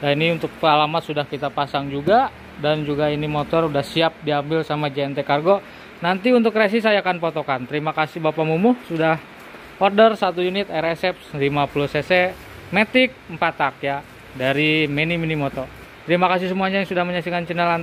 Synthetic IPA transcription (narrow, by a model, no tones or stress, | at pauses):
jainiunt̪ʊk̚pəalamat̪sudahkit̪apasaŋd͡ʒuɡa | dand͡ʒuɡainimot̪ɔrudahsiap̚diambɪlsamad͡ʒeɛnt̪ekarɡo | nant̪iunt̪̬ʊkɾes̬isajaːkanpot̪okant̪əɾimakasibapamumʊhsudah | ɔrdərsat̪ujunɪt̪ɛɾesɛp̚slimapuluhsesɛ | met̪ɪk̚əmpat̪ak̚ja | daɾimeniminimot̪ɔ | t̪əɾimakas̬is̬əmuaɲajŋsudahməɲasikant͡ʃənəlan